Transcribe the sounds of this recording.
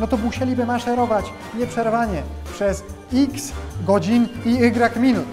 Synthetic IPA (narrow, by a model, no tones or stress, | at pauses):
nɔt̪ɔmuɕɛlʲibɘmaʂɛɾɔvat͡ɕ | ɲɛpʂɛɾvaɲɛ | pʂɛs | iksɡɔd͡ʑiniɘɡɾakmʲinut̪